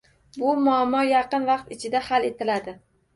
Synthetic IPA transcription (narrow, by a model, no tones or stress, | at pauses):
bʊmʊamːɒjɑqɨnvɑqt̪ɪt͡ʃʰɪd̪ahale̞t̪ʰɪlad̪ɪ